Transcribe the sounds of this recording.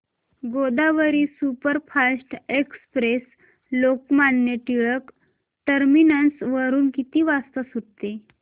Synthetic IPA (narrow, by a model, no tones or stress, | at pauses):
ɡod̪aʋəɾiːsupəɾfʰasʈekspɾes | lokmanjəʈ̪iɭək | ʈəɾminənsʋəɾuːnkit̪iːʋast̪əsuɽ̚t̪e